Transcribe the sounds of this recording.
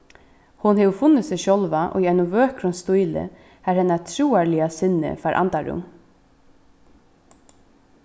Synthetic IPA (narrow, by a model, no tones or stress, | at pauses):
hʊnhɛʋfʊnːəsɛʃɔlʋaʔɔ̰iɛɪnʊʋøːkɾʊnst̪ujlɪ̰ | hæɾhɛnat̪ʰɾuːaɹlɪasɪnːɪ̰faɾʔa̰nt̪aɹʊ̰m